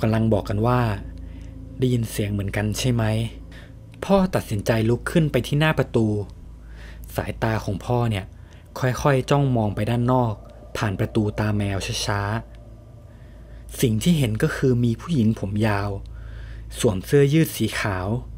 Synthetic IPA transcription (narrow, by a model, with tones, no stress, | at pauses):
ka˧mla˧ŋbɔː˨˩kːa˧nwaː˥˩ | daː˥˩ji˧nsi˨˩˦əŋmɯ˩˦ənka˧nt͡ɕʰa˥˩jma˦˥j | pʰɔː˥˩t̪a˨˩t̪̚si˩˦nt͡ɕa˧jlu˦˥kʰːɯ˥˩npa˧jt̪ʰiː˥˩naː˥˩pɾa˧t̪uː˧ | sa̰ː˩˦jt̪aː˧kʰɔː˩˦ŋpʰɔː˥˩ni˥˩ɐ | kʰɔ˥˩jxʰɔ˥˩jt͡ɕɔ˥˩ŋmɔː˧ŋpa˧jdaː˥˩nːɔː˥˩k̚ | pʰaː˨˩npɾa˧t̪uː˧t̪aː˧mɛː˧wt͡ɕʰa˥˩t͡ɕʰaː˦˥ | si˨˩ŋt̪ʰiː˥˩ɦe˩˦nkɔː˥˩kʰɯː˧miː˧pʰuː˥˩ji˩˦ŋpʰo˩˦mjaː˧w | su˨˩əmsɯ˥˩ɐjɯː˥˩t̪̚siː˩˦xʰaː˩˦w